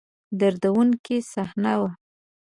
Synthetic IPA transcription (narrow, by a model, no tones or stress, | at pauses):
d̪aɾd̪awuŋkisahnawa